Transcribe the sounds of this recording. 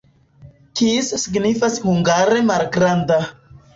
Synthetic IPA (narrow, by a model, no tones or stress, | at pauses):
kisːiɡnifashuŋɡaɾe̞malɡɾanda